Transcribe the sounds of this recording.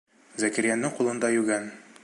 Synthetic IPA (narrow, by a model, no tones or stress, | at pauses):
zækɘ̆ɾjænːɘŋqulˠɤ̆nd̪ɑjʉɡæn